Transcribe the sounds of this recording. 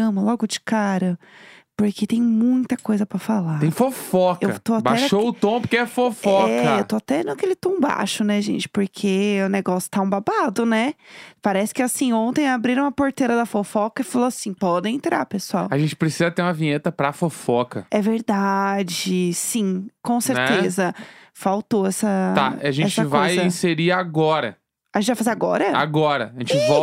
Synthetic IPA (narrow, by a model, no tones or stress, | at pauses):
ɐ̃mɐlɔɡʊd͡ʒɪ̥kaɾɐpoɾkʰet̪ẽj̃mũj̃t̪ɐkojzɐpɾɐfalaẽj̃fofɔkewɐt̪oatbaɛʃoʊt̪õpʊɾkeɛfofɔkɛɐewt̪oat̪ɛnakelɪt̪õba̰ʃʊnɛʒḛ̃nt͡ʃɪ̥poɾkʰeʊneɡɔsjʊ̥t̪aũbabad̪ʊnɛpaɾɛsɪ̥kɪasĩõt̪ẽj̃abɾiɾ̃ũɐpoɾt̪eɾɐd̪ɐfofɔkɐɪfaloasĩpɔd̪ẽẽnt̪ɾa̰ɾpesuawaʒẽnt͡ʃɪpɾesizɐt̪eɾũmɐvĩɲet̪ɐpɾɐfofɔkɐɛveɾd̪ad͡ʒɪsĩkõseɾt̪ezɐ | fawt̪oɛsɐt̪aaʒẽɛt͡ʃɐvoajjzɐĩseɾiaɡɔɾɐ̰ | aʒẽt͡ʃɪvajfazaɡɔɾɐa̰ɡɔɾɐ̰ʒẽnt͡ʃɪvɔ